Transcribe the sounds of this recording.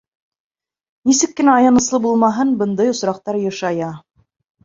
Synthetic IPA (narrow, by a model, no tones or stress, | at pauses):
nisɘkːɘ̆næɑjɑnɤ̆slˠɤbulˠmɑɦɤnbɤ̆nd̪ɤjŏsɾɑq̚t̪ɑɾjɤ̆ʃɑjɑ